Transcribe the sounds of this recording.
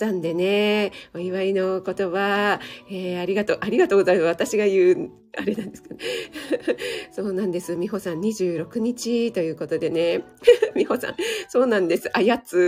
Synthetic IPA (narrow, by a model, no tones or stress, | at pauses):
ãnd̪e̞ne̞oiβaino̞ko̞t̪o̞βaeːaɾʲiɡat̪o̞ːʔaɾʲiɡat̪o̞ːɡo̞zaimaat̪aɕiɡajɯ̟ː | aɾe̞nãnd̪e̞sɨ̥kane | so̞ːnãnd̪e̞sɨmʲiɦo̞sãɲ̟iʑɨːɾo̞kɯ̟ɲ̟it͡ɕit̪o̞jɯ̟ːko̞t̪o̞d̪e̞ne̞mʲiho̞sã̰so̞ːnãnd̪e̞sɨʔajat͡sɨ